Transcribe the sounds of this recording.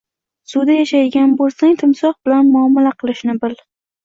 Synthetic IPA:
sʊd̪ajaʃajɡʲanbolˠsaŋt̪ʰɪmsɒqbɪlanmʊɒmɪlaqʰɨlˠɪʃnɪbɪl

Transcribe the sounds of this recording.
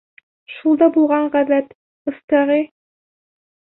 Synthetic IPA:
ʃulˠd̪ɑbulˠʁɑɴʁæðæt̪ | ɤ̆st̪ɑʁi

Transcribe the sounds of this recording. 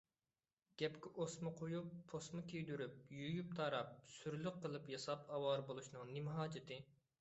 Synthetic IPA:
ɡ̥ʲɛpkʲɛʔosmɨqʰojupʰːosmɨkʲʰejd̪yɾyp̚jujup̚t̪ʰɑɾɑp̚syɾlyqːəlˠɨpjɑsɑpɑwɑɾbolˠuʃnɨŋnimɦɑːd͡ʒɪt̪ʰɪ

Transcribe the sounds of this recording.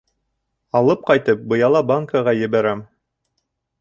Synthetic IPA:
ɑlˠɤp̚qɑjt̪ɤp̚bɤ̆jɑlˠɑbaŋkəʁɑjɘ̆βæɾæm

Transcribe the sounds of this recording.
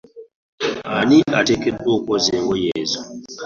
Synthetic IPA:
aniʔatekedokozeŋɡojezu

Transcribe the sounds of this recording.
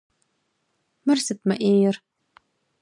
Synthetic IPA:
mɨrsɨt̚mɐʔeːjɪr

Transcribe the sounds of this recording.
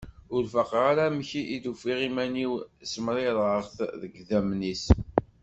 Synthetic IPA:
ʊɾfəqʁaɾaməçiʔːðufiʁimæniwsəmɾˤɪðˤəʁθðəɡðæmnis

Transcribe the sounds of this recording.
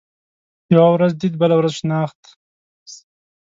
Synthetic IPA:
jawɾazd̪id̪bəlawɾazʃnaːχt̪

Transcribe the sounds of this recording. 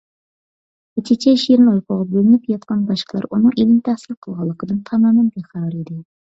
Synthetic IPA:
et͡ʃ̪ʰɪt͡ʃʰɛʃieɾnojqʰʊʁɑbølɪnɪpjɑt̪̚qʰɑnbɑʃqʰəlˠɑ̰ɾunɨŋelɪnɪt̪ʰæhsɪlqʰəlˠʁɑlˠːəqəd̪ɨnt̪ʰɑmɑːmɛnbeχæwɾid̪ɪ

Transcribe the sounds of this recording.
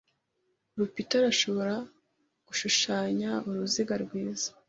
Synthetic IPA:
ɾupitaɾaʃo̞βo̞ɾa | ɡ̥uʃuʃaːɲauɾuziɡaɾɡwiːzḁ

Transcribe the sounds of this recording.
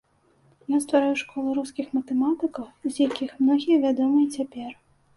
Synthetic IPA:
jast̪vaɾajuʂkɔlˠɨɾuskʲixmɐt̪ɛmat̪ɨkɐwuzʲjakʲixmnɔɣʲijɐvʲad̪ɔmɨjɐt͡sʲapʲɛr

